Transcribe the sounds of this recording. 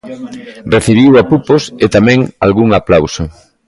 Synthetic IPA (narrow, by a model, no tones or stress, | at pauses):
reθiβ̞iwapuposet̪amɛ̃ŋa̰lɣuŋaplawsʊ